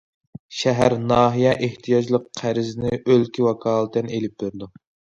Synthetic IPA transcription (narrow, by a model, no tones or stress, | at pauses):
ʃɛɦæɾnɑːɦijɛʔeht̪ʰijɑd͡ʒlˠəqʰːæɾɪzɪnɪʔølkʲiwɑkʰɑːlˠət̪ɛnelɪp̚d̪øɾɪd̪u